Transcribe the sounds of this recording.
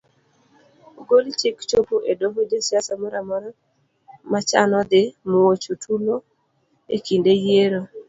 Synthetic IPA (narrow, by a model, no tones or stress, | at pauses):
ɡolt͡ʃɪkt͡ʃopoʔedovodesjasamɔɾamɔɾa | mat͡ʃa̰nɔd̪ɪmowot͡ʃotʰulo | ḛkindejeɾo